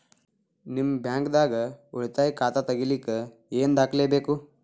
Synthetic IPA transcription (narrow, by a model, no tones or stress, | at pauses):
nimbʱjãŋkd̪aːɡəuɭt̪ajkat̪at̪əɡiliːkə | eːnd̪akʰlebeku